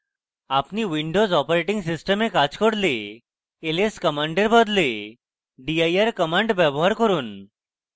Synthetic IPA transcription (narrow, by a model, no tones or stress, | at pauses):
apniːʋiɳɖozɔpɾeʈĩŋɡsisʈəmekat͡skəɽle | eleskəmãɳɖeɾbəd̪le | ɖiajaɾkəmãɳɖʋəboɦaɾkəɾuːn